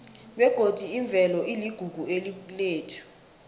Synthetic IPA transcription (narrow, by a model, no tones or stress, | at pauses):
ɓɛɡ̥ʱod̥ʱiːɱb̪vʱɛlɔʔiliɡ̥ʱuɡ̥ʱuelileːtʰu̥